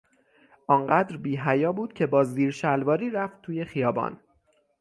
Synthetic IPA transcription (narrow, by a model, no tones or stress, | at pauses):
ʔɒːŋɢæːd̪ɾbiːɦæjɒːbuːd̪̥cʰe̞bɒːziːɾʃælvɒːɾiːɾæft̪̚ʰːuːje̞xijɒːbɒ̰ːn